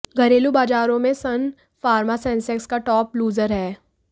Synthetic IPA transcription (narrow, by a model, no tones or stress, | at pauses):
ɡʱɐɾeːlubaːd͡ʒaːɾõmẽsɐn | faːɾmasɛ̃ːnsɛkskaʈɔːpluːzəɾɦɛː